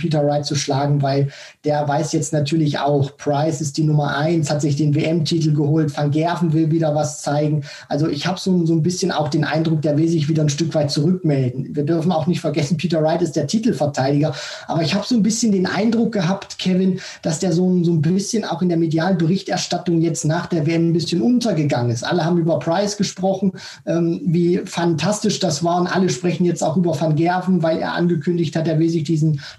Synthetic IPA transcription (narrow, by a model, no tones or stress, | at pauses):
pʰiːtɐʁaɪtt͡suʃlaːɡŋ̩vaɪl | d̥eːɐvaɪsjɛt͡stnatʰyːɐlɪçʔa̰ʊxpʰʁ̥aɪsɪst̚d̥iːnʊmɐʔaɪnshatz̥ɪçd̥eːnveːʔɛmtʰiːtl̩ɡəhoːltfanɡɛɐvn̩vɪlviːdɐvast͡saɪɡŋ̩ | ʔalzoʔɪçhaːbəz̥oːnzoːnbɪsçəna̰ʊxd̥eːnʔa̰ɪndʁʊkd̥eːɐvɪlzɪçv̥iːdɐnʃtʏkv̥aɪt̚t͡suʁʏk̚mɛldn̩viːɐdʏɐfn̩aʊxnɪçtfɛɐɡɛsn̩pʰiːtɐʁaɪtɪst̚d̥eːɐtʰiːtl̩fɛɐtʰaɪdɪɡɐ | ʔa̰ːbɐɪçhaːbəzoːnbɪsçəndeːnʔa̰ɪndʁʊk̚ɡ̥əɦaːptkʰɛvɪn | d̥asd̥eːɐzoːnzoːnbɪsçəna̰ʊxɪndeːɐmedjaːlənbəʁɪçtʔɛɐʃtatʊŋjɛt͡stnaːχd̥eːɐveːʔɛmnbɪsçənʔʊntɐɡəɡaŋənɪstʔa̰ləhaːbm̩yːbɐpʰʁ̥aɪsɡ̥əʃpʁ̥ɔχn̩ | ʔɛːmviːfantʰastɪʃd̥asv̥aːɐʊntʔa̰ləʃpʁ̥ɛçn̩jɛt͡staʊʔyːbɐfanɡɛɐvn̩vaɪlḛːɐʔa̰nɡəkʰʏndɪçthat̚d̥eːɐvɪlzɪçd̥iːzn̩